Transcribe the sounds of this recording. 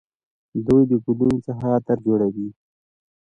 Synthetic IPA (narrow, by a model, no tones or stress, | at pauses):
d̪ujd̪əkulunt͡saxat̪aɾd͡ʒoɽawi